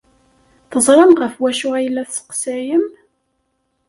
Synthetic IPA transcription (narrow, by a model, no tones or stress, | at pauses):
θəzˤɾˤɑmʁəfwæʃʊʁæjəlːæθsə̥qsæjəm